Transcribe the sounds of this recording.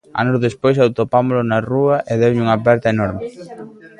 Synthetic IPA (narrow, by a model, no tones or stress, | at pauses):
a̰nozðespojsawt̪opamolʊnaruɐʔeðewɲuŋapɛɾt̪ɐenɔɾmɪ